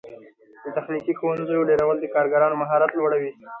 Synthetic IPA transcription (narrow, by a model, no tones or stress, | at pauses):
d̪̥ət̪axnikixowanzəjoɖeɾawəld̪əkɑɾɡaɾɑnomaɦɑɾat̪lwaɽawi